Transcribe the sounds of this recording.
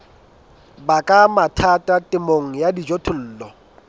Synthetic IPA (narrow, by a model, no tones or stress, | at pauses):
bakʼamatʰatʼatʼɪmoŋ̩jadid͡ʒotʰʊl̩ːlɔ